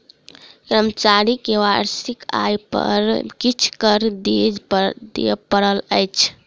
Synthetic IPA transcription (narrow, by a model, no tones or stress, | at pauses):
kɾəmət͡ʃaɾikewaɾsika̰jpə̰ɾkit͡ʃʰkəɾd̪ed̪epəɾələjt͡ʃʰ